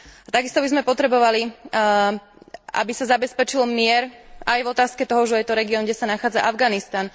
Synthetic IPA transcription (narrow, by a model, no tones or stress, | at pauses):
at̪aɡist̪ɔbizmɛpɔt̪ɾɛbɔʋali | a̰bisazabɛspɛt͡ʃilmɪɛɾajvɔt̪aːskɛt̪ɔɦɔʒɛjɛt̪ɔɾɛɡiɔːnɡɟɛsanaxaːd͡zaʔavɡanist̪an